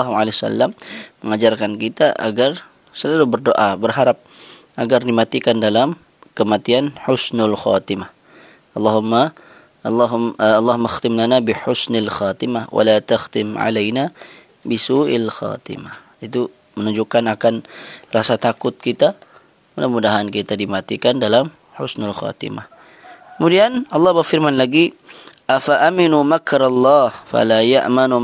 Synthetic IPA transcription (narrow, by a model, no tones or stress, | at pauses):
ɦmalesa̰lːamːəŋad͡ʒarkankit̪aʔa̰ɡar | səlalubərdoʔabərɦaɾap̚ | ʔaɡardimat̪ikandalam | kəmat̪ianħʊsnalxa̰t̪imah | lːɑɦma | ɦlˤːɑɦumːaxt̪ɪmlanabiħʊsnalxaːt̪imahwa̰lat̪axt̪ɪmʕa̰lajna | bisuːʔalxa̰ːt̪ḭmah | it̪u | mənuɲd͡ʒukanakanrasat̪akʊt̪̚kit̪a | manəmudaɦankit̪adimat̪ikandalam | ħʊsnalxa̰t̪ḭma̰h | kəmudianɑlːɑhbərfirmanlaɡiʔafaʔaminumakɾalːɑːhfa̰laja̰ʔmanu